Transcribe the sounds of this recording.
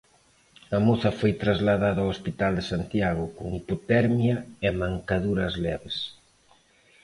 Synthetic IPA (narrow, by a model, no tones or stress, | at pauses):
ɐmoθɐfojt̪ɾazlaðaðawospit̪ald̪esant̪jaɣʊkʊŋipot̪ɛɾmjɐemãŋkaðuɾɐzlɛβes